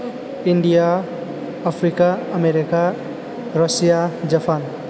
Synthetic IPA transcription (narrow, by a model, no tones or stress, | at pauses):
iɳɖijaː | pʰɾikaəmeɾika | ɾʌsijad͡ʒʌpʰan